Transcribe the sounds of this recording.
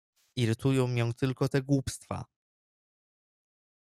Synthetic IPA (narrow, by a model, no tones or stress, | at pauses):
iɾɘt̪ujɔ̃w̃jɔ̃w̃t̪ɘlkɔt̪ɛɡwupst̪fa̰